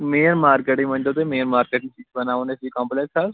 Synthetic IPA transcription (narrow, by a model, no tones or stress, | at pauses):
meːɾmaːɾkeːʈĩmə̃ɲd͡ʒoːt̪eːmeːəɾmaːɾkeːʈɪsikbənaːʋoːnesiːkãːmplɛːksa